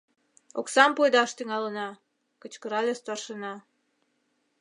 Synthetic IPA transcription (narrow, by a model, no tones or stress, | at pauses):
oksɑmpojd̪ɑʃt̪yŋɑlənɑ | kət͡ɕkəɾɑlʲest̪ɑrʃənɑ